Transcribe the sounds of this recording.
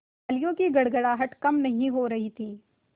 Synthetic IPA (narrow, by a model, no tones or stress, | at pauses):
aːlijõkiɡɐɽɡəɽaɦɐʈkɐmnɐɦĩɦoɾɐɦit̪ʰiː